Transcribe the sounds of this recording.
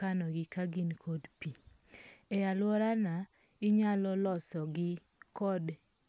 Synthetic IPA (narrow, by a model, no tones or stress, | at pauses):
anɔɡɪkaɡinkʰodpi | ɛjalwɔɾana | ɪɲalɔlɔsɔɡɪ | kɔd